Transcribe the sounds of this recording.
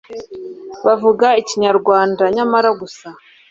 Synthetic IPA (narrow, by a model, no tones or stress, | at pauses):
βavuɡaiciɲaɾɡwaːndaɲamaɾaɡusa